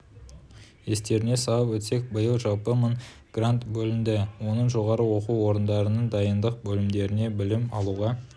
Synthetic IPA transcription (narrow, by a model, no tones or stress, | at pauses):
e̞st̪e̞ɾɪne̞sɑəpwɵt̪se̞k̚bəjəlˠʒɑlˠpəmən | ɡ̥rant̪bɵlɪnd̪ɪwo̞nəɴʒo̞ʁɑɾəwo̞quwo̞ɾənd̪ɑɾənəɴd̪ɑjənd̪əq̚bɵlɪmd̪e̞ɾɪne̞bɪlɪmɑlˠuʁɑ